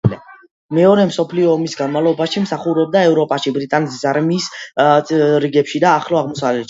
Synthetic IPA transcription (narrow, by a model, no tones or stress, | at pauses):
mɛɔɾɛmsɔpʰliɔːmisɡanmalˠɔbaʃimsaχuɾɛb̚d̪aɛvɾɔpʼaʃibɾit̪ʼanɛt̪ʰisaɾmiːs | ɾiɡɛpʃid̪aːχlɔaʁmɔsavlɛt̪ʃ